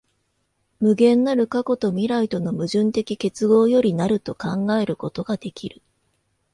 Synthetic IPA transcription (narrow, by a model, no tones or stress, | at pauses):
mɯ̟ɡẽ̞nːaɾɯ̟kako̞t̪o̞mʲiɾait̪o̞no̞mɯ̟ʑɨ̃nt̪e̞kʲike̞t͡sɨɡo̞ːjo̞ɾʲinaɾɯ̟t̪o̞kãŋɡae̞ɾɯ̟ko̞t̪o̞ɡad̪e̞kʲiɾɯ̟